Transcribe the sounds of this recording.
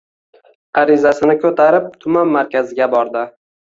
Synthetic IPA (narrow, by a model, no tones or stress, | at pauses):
aɾɪzasɪnɪkʲʰɵt̪ʰaɾɪp̚t̪ʰʊmanmaɾkʲazɪɡʲabɒɾd̪ɪ